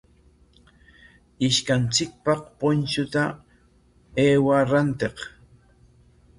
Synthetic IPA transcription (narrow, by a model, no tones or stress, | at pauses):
ɪʃkant͡sɪk̚pɑqpont͡ʃʊt̪a | eːwaɾant̪eq